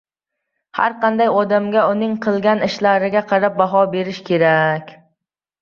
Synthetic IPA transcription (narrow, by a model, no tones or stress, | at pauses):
ha̰ɾqʰɑnd̪ajɒd̪amɡʲaʊnɪŋqʰɨlˠɡʲanɪʃlaɾɪɡʲaqʰɑɾap̚baɦɒbe̞ɾɪʃkʲʰe̞ɾakʲ